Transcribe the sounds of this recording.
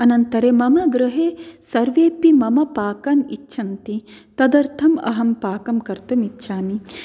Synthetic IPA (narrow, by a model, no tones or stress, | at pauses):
ɐnɐnt̪ɐɾeːmɐmɐɡɾɐɦeːsɐɾʋeːpimɐmɐpaːkɐnitːʃʰɐnt̪it̪ɐd̪ɐɾt̪ʰɐmɐ̰ɦɐmpaːkɐmkɐɾt̪ɐmitːʃʰaːmi